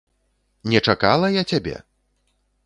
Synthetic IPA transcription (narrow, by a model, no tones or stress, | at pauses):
nʲɛt͡ʂakalˠɐjat͡sʲabʲɛ̰